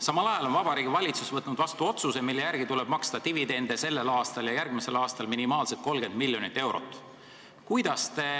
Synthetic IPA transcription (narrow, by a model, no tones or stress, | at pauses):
sɑmɑlɑjɑlo̞nvɑbɑɾiːɡ̥ivɑlʲit̪susvɤt̪nud̪vɑst̪uo̞t̪suse̞milːe̞jærɡ̥it̪uleb̥mɑkst̪ɑt̪ivid̪e̞nd̪e̞se̞lːe̞lɑːst̪ɑljɑjærɡ̥mise̞lɑːst̪ɑlminimɑːlset̪̚ko̞lɡ̥e̞nd̪milːjo̞nit̪ːe̞wɾo̞̰t̪ːˑ | kujd̪̥ɑst̪e̞